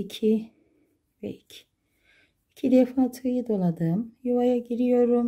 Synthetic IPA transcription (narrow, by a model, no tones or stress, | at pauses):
icʰi | vɛ̰icʰ | icʰid̪ɛfaːt̪ʰɯjɯd̪o̞lˠad̪ɯmjuvajaɟiɾijo̞ɾum